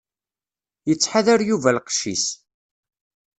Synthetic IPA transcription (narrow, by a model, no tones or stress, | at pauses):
jət͡sːħaðaɾjuvælqʃḭs